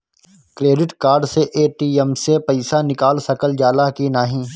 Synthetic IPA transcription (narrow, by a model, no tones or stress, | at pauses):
kɾeːɖɪʈkaːɾɖseʔeːʈiːɛmsepɐɪsanɪkaːlsɐkəld͡ʒaːlakinaːɦĩː